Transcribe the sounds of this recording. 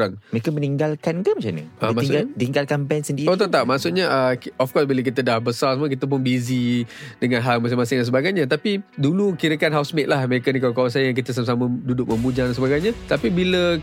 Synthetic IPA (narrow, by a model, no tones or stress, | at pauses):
ɾaŋməekaməniŋɡalkankəmat͡ʃamnɲə̰ʔəmaiɡat̪iŋɡalkampansəndiɾiot̪ət̪aʔ̚maʔsuʔ̪̚ɲəʔkɔfkɔsbilak̬it̪ədahbəsarsəmək̬it̪əp̬ʊnbizidəŋanɦalmas̬ɪŋmas̬ɪŋdansəbaɡajɲat̪apidulukiɾəkanɦawsmeʔ̪̚lahməɾekənikawkawaŋs̬ajəjaŋk̬it̪əs̬amasamədudʊk̚mə̃mbud͡ʒaŋdansəbaɡajɲat̪apibilə